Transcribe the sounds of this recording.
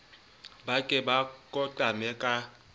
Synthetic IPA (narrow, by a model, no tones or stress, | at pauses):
bakʼɛbakʼɔtʼamɛkʼa